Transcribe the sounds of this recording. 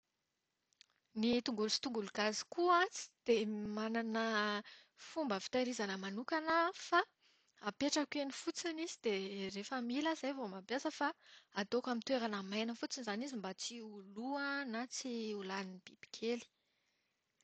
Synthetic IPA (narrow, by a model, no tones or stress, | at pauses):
nit̪uŋɡulsi̥t̪uŋɡuluɡ̥azi̥kuat͡si̥d̪̥emananə | fumbəfi̥t̪ajɾizanəmanukanəfa | apeʈ͡ʂakenifut͡sinizid̪̥erefəmilaz̥ajvomabjasəfaad̪okamint̪weɾanəmajnəfut͡sinizanizimbat͡siuluanat͡siulaninib̥ib̥i̥kʰeli̥